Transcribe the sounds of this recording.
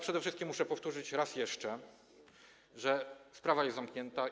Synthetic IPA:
pʂɛd̪ɛfʂɘst̪kʲimːuʂɛpɔft̪uʐɘt͡ɕɾasjɛʂt͡ʂɛ | ʐɛspɾavajɛzzamkɲɛnt̪a

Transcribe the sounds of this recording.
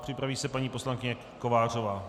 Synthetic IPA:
pr̥ɪpɾaviːsɛpaɲiːposlaŋkɪɲɛ | kovaːr̝ovaː

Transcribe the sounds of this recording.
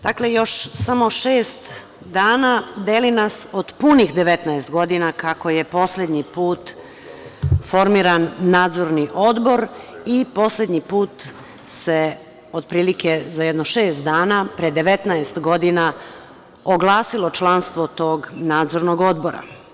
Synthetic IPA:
d̪̥akle̞jo̞ʃsamo̞ʃeːst̪ | d̪aːnad̪eːlinasod̪punixd̪eʋet̪naest̪ɡo̞d̪inakako̞jepo̞sle̞d̪ɲipuːt̪ | foɾmiːɾanːaːd̪zo̞ɾniʔo̞d̪bo̞ɾipo̞sle̞d̪ɲipuːt̪ | se | od̪̚pɾiːlikezajɛd̪noʃe̞ːst̪̚d̪aːnapɾed̪e̞ʋet̪naest̪ɡo̞d̪ina | oɡlˠaːsilo̞t͡ʃlˠanst̪ʋot̪oːɡnaːd̪zo̞ɾnoɡo̞d̪bo̞ɾa̰

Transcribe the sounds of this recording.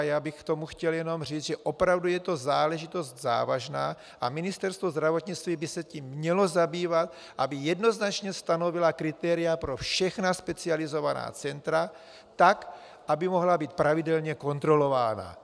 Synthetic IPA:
jaːbɪxkt̪o̞muxcɛljɛno̞mriːzʒɛʔo̞pɾavdujɛt̪o̞zaːlɛʒɪt̪o̞st̪za̰ːvaʒna̰ː | ʔamɪnɪst̪ɛɾst̪vozd̪ɾavot̪ɲɪt͡st̪viːbɪsɛciːmːɲɛlo̞zabiːvat̪ | ʔabɪjɛdno̞znat͡ʃɲɛst̪ano̞vɪlakɾɪt̪ɛːɾɪjapɾo̞fʃɛxnaspɛt͡sɪalɪzo̞vana̰ːt͡sɛnt̪ɾa | t̪ak | ʔabɪmo̞ɦlabiːt̪̚pɾavɪdɛlɲɛko̞nt̪ɾo̞lo̞vaːna̰

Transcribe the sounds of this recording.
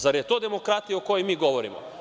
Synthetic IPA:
zaɾjet̪o̞ːd̪emokɾat̪ijaoko̞jojmiːɡo̞ʋoɾḭmo̰

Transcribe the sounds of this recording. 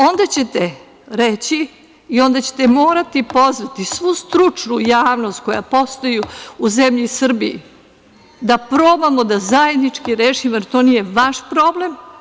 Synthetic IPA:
o̞nd̪at͡ɕe̞t̪e | ɾet͡ɕi | io̞nd̪at͡ɕe̥t̪emoːɾat̪ipo̞zʋat̪isʋust̪ɾut͡ʂnujaːʋno̞st̪̚ko̞ja̰po̞st̪ojuuzemʎisr̩bijḭ | d̪apɾoːbamod̪azaje̞d̪nit͡ʂkiɾeːʃimoeɾt̪o̞niːjeʋaʃpɾo̞ble̞m

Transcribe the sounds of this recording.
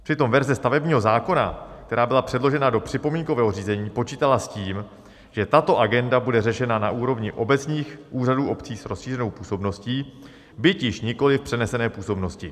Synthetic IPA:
pr̝̥ɪt̪o̞mvɛɾzɛst̪avɛbɲiːɦozaːko̞na̰k̚t̪ɛɾaːbɪlapr̥ɛdlo̞ʒɛnado̞pr̝̥ɪpo̞miːŋko̞vɛːɦo̞riːzɛɲiːpo̞t͡ʃiːt̪alasciːm | ʒ̥ɛt̪at̪o̞ʔaɡɛndabudɛrɛʃɛnanaʔuːɾo̞vɲɪʔo̞bɛt͡sɲiːxʔuːraduːʔo̞pt͡siːsɾosʃiːrɛno̞wpuːso̞bno̞sciː | bɪcjɪʃɲɪko̞lɪfpr̝̥ɛnɛsɛnɛːpuːso̞bno̞scɪ

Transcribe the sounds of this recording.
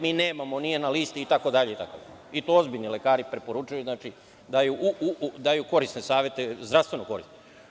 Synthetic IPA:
miːne̞ːmamonijenaliːst̪iːt̪akod̪aʎeit̪akod̪a | it̪oo̞zbiʎnilekaːɾipɾepo̞ɾut͡ʃujuznaːt͡ʃi | d̪ajuʔuud̪ajuko̞ɾist̪nesaːʋjet̪ezd̪ɾast̪ʋe̞noko̞ɾḭsne

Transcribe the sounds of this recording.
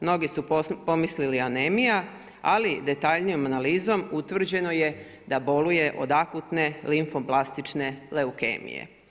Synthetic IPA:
mno̞ɡisupo̞mislilianemija | alid̪e̞t̪aʎnijo̞manaliːzo̞mut̪ʋr̩d͡ʑe̞no̞je̞ | d̪abo̞luje̞ʔo̞̰d̪akut̪ne̞liɱfoplˠast̪it͡ʃne̞le̞ukḛːmḭjḛ

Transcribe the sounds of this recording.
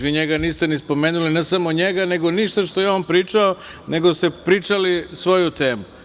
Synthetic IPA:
ʋiɲeɡaniːst̪enispo̞meːnulinesamo̞ɲeɡane̞ɡoniʃt̪aʃt̪o̞jeompɾiːt͡ʂao | ne̞ɡo̞st̪e̞pɾiːt͡ʃalisʋo̞jut̪e̞ːmu

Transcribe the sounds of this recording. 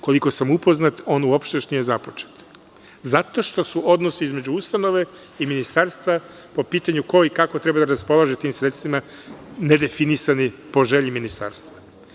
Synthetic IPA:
ko̞liko̞samupo̞znat̪o̞ːnuopʃt̪eoʃt̪nije̞zapot͡ʃe̥t̪ | zat̪o̞ʃt̪o̞suʔo̞d̪no̞siizme̞d͡ʑuust̪ano̞ʋe̞ | iminist̪aːɾst̪ʋa | po̞piːt̪aɲuko̞ikakot̪ɾe̞bad̪aɾaspo̞lˠaʒet̪iːmsɾet̪st̪ʋima | ne̞d̪e̞finisanipo̞ʒe̞ʎiminist̪a̰ːɾst̪ʋa

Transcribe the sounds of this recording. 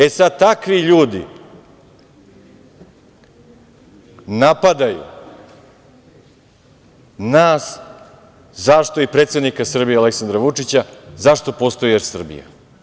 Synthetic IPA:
e̞sad̪̚t̪akʋiʎuːd̪ḭ | napad̪ajṵ | naːs | zaʂt̪o̞ipɾet̪sed̪nikasr̩bijealeksand̪ɾaʋut͡ʂit͡ɕazaʂt̪o̞post̪o̞jjeɾsr̩bḭja̰

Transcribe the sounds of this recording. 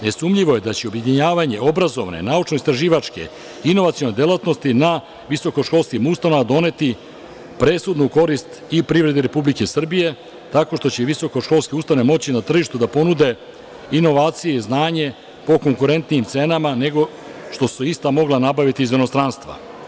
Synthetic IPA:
ne̞sumʎiʋo̞je̞d̪at͡ɕeobje̞d̪iɲaːʋaɲe̞o̞bɾazo̞ʋne̞̰naut͡ʃnoist̪ɾaʒiːʋat͡ʃke̞̰ | ino̞ʋat̪sio̞ne̞d̪elat̪nost̪ina | ʋiso̞ko̞ʃko̞lˠskimust̪anoʋad̪o̞ne̞t̪i | pɾe̞sud̪nuko̞ɾist̪ | ipɾivɾe̞d̪iɾe̞publikesr̩bije̞ | t̪ako̞ʂt̪o̞t͡ɕeʋiso̞ko̞ʃko̞lskeust̪aoemo̞t͡ɕinat̪r̩ʒiʃt̪ud̪apo̞nud̪e̞ | ino̞ʋaːt̪sijeiznaːɲe̞ | po̞ko̞ŋkuɾe̞nt̪nijimt̪se̞namane̞ɡo̞ | ʃt̪o̞suist̪amo̞ɡlanabaʋit̪iːzveno̞st̪ɾanst̪ʋa̰

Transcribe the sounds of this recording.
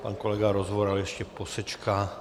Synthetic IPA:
pa̰nkolɛɡaɾozʋoɾaljɛʃcɛposɛt͡ʃka

